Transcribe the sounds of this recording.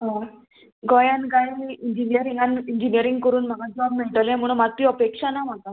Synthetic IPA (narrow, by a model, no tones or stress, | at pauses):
ɦã | ɡɔjankajmiːiɲd͡ʑinijəɾiŋɡanind͡ʑinijəɾiŋɡ̚kəɾuːnm̤aɡad͡zɔbmiɭʈəlam̤uɳ̃əmat̪ɾiːəpekʂanamaka